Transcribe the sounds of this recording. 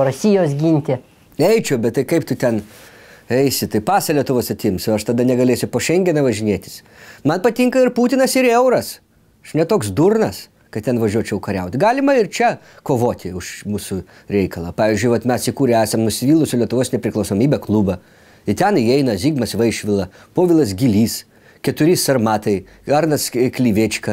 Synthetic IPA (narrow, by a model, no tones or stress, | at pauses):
ɾʊsʲijoːsɡʲinʲt̪ʲɪ | ɛɪt͡ʃʲʊbʲɛt̪̚t̪ɐɪkɐɪp̚t̪ʊt̪ʲɛn | ɛɪsʲɪt̪ɐɪpɑːsɐlʲiɛt̪ʊʋoːsɐt̪ʲɪmsɪɐʃt̪ɐd̪ɐnʲɛɡɐlʲeːsʲʊpoːʃʲɛŋʲɡʲɛnɐʋɐʒʲɪnʲeːt̪ʲɪ̥s | mɐnpɐt̪ʲiŋkɐɪrpuːt̪ʲɪnɐsɪɾɛʊɾɐs | ɐʃnʲɛt̪oːksd̪urnɐs | kɐtt̪ʲɛnʋɐʒʲuɔt͡ʃʲɛʊkɐɾʲɛʊt̪ʲɡɑːlʲɪmɐɪrt͡ʃʲɛ | koːʋoːt̪ʲɪʊʃmuːsʊ | ɾʲɛɪkɐlˠɐpɑːʋʲiːzʲd͡ʒʲʊɪʋɐt̪mʲɛsɪkuːɾʲɛæːsɐmnʊsʲɪʋʲiːlˠʊsʲʊlʲiɛt̪ʊʋoːsnʲɛpʲɾʲɪklˠɐʊsoːmʲiːbʲɛklˠubɐ | ɪt̪ʲɛniɛɪnɐzʲiːɡmɐsʋɐɪʃʲʋʲɪlˠɐ | poːʋʲɪlˠɐs̬ɡʲilʲiːs | kʲɛt̪ʊɾʲɪsɐrmɑːt̪ɐɪ | ɐrnɐsklʲiːʋʲet͡ʃʲkɐ